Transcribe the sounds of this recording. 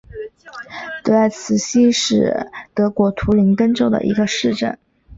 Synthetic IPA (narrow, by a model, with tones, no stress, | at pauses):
t̪ɤ˧˥a˥˩ɪt͡sʰɹ̩˧˩ɕi˥ʂɻ̩˥˩t̪ɤ˧˥kwɔ˧˥t̪ʰu˧˥li˧˥ŋk̪ə˥nʈ͡ʂo˥ʊd̪ə̰˨˩ʔḭ˧˥ɡə˧ʂɻ̩˥˧ʈ͡ʂə̰˥˩n